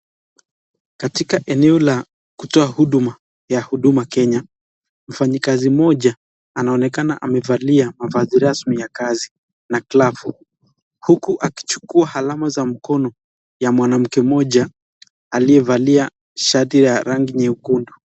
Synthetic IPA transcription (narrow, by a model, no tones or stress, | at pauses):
katikaʔɛnɛɔla | kutɔahuɗuma | jahuɗumakɛɲa | m̩faɲikazimɔʄa | anaɔnɛkana̰ʔamɛvaliamavaziɾasmijakazi | nakilafu | hukuʔaki̥t͡ʃu̥kuahalamazam̩kɔnɔ | jamwanam̩kɛmɔʄa | aliɛvalia | ʃatijaɾaŋɡiɲɛukundu